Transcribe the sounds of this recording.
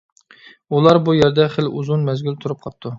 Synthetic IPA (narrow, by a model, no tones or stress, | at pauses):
ulˠɑɾbujɛɾd̪ɛχəluzunmɛzɡʲylt̪ʰuɾup̚qʰɑp̚t̪ːu